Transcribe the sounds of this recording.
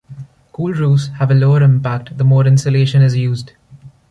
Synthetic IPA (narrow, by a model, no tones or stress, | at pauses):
kuːlɾuːshæʋəloːəɾɪ̃mpæk̚ʈd̪əmɔːɾɪ̃nsəleːʃə̃nɪzjuːzd